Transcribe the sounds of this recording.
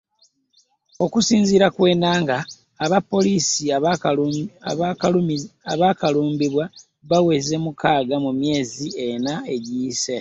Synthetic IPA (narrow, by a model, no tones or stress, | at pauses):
o̞kusiːnziːɾakwe̞ːnaːŋɡaː | βapːo̞liːsi | aβaːkaluːmbiβwa | βawe̞ze̞mukaːɡamumje̞ːzienae̞ɟiːse